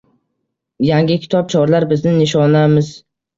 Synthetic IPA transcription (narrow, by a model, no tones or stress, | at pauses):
jaŋɡʲɪkʲʰɪ̥t̪ʰɒp̚t͡ʃʰɒɾlaɾbɪznɪnɪʃ̬ɒnamɪz̥